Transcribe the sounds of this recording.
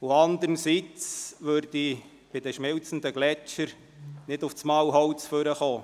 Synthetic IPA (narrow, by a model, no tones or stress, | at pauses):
ʊɑnd̪əɾnsit͡sʋørd̥i | b̥ɪdɛʃmɪlt͡sn̩d̪əɡlɛt͡ʃəɾ | nɪdʊft͡smɑwɦɔwt͡sføɾəχoː